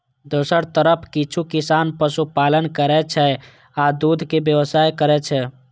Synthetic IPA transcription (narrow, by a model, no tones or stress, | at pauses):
d̪oːsəɾt̪əɾəpʰkit͡ʃʰukɪsanpəsupalənkəɾɛt͡ʃʰɛ | ad̪ud̪ʱkebjəʋəsajkəɾɛt͡ʃʰɛ